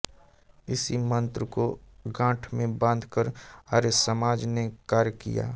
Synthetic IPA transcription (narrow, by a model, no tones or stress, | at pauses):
ɪsimə̃nt̪ɾəkoɡãːʈʰmẽbə̃nd̪ʱkəɾaːɾesəmaːd͡ʒnekaːɾjkḭja̰ː